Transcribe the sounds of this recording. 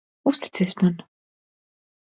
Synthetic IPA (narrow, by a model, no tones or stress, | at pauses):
ust̪i̥t̪sɛːsʲman